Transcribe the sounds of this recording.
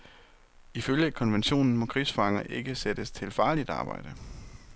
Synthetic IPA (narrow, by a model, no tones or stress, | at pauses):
iføljəkʰɒ̽nʋenɕo̝̰ːnn̩mɒ̽kʰʁḭːsfɑ̈ŋɐʔe̝ɡ̥əsed̥əst͡sʰe̝lfɑ̈ːlid̥ɑ̈ːb̥ɑ̈ɪ̰d̥ə